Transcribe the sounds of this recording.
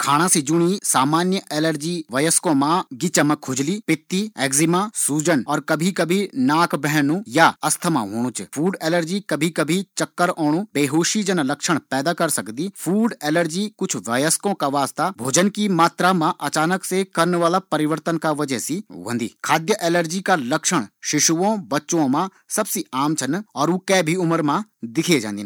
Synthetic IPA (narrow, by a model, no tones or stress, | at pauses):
kʰaːɽ̃ãːsid͡ʒʊɽ̃isaːmaːnjəʔɛːləɾd͡ʒiːʋəːjəskõːmãɡɪt͡ʃəmãkʰʊd͡ʒliːpɪt̪ːiːɛːɡzɪmãːsuːd͡ʒənɔːɾkɐbʱikəbʱinaːkbɛɦɛnũːjaɐst̪ʰəmã̰ːɦoːɽ̃ũːt͡ʃpʰuːɖɛːləɾd͡ʒiːkəbʱikəbʱit͡ʃəkːəɾɔːɽ̃ũːbeːɦoːʃid͡ʒənãlɐkʃəɽ̃pɛːd̪aːkəɾsəkd̪iːfʰuːɖeːləɾd͡ʒikʊt͡ʃʰʋaːjəskõkaʋaːst̪abʱoːd͡ʒənkimaːt̪ɾamãʔɐt͡ʃaːnəksekɐɾnʋaːlapɐɾɪʋəɾt̪ənkaʋɐd͡ʒəɦsiʋɐ̃nd̪ḭːkʰaːd̪jəʔɛːləɾd͡ʒikalɐkʃəɽ̃ʃɪʃuʋõbɐtːʃõmã | sɐbsiaːmt͡ʃʰɐnɔːɾuːkɛːbʱiʊməɾmãd̪ɪkʰed͡ʒã̰ːnd̪in